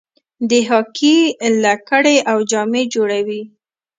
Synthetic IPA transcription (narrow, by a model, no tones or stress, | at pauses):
d̪əɦɑkʰilakəɽeʔawd͡ʒɑmed͡ʒoɽawi